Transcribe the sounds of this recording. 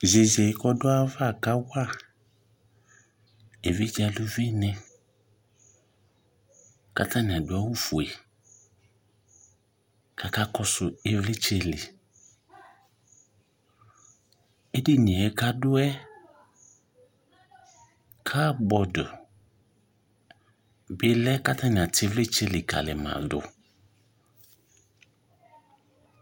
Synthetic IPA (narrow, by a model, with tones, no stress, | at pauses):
ze˨zɛ˨i˦kɔ˦dʊ˦a˦va˦˨ka˦wa˦˨ | e˨vi˦d͡ʒa˨lu˦ve˦nɛ˨ | ka̰˦ta˦ni˨a˨dʊ˨˦ɛ˦wu˦fu˨e˨ | ka˨ka˦kɔ˦sʊ˨e˨vlɪ˦t͡ʃe˨lɪ˨ | e˦dɪ˦nĩ˨ɛ˦ka˦dʊ˦ɛ˦ | kʰa˦bɔ˨dʊ˨ | bɪ˨lɛ˦ka˦tʰa˦nɪ̃˨a˨tʰɪ˦vlɪ˦t͡ʃe˦lɪ˨ka̰˨lɪ˨mã̰˨dʊ̰˨